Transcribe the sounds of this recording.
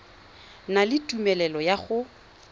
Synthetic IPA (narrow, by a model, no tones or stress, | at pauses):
nalɪtʼumɛlɛlɔjaχʊ